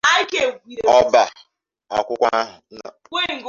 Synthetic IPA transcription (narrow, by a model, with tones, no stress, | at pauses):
a˦i˦ke˨ɡʷi˨ɾe˨ɔ˦ba˨ | a̰˨kʷʊ˦kʷa˦ɦʊ˨˦na˨kʷe˦˨ŋ̩˨ɡo˦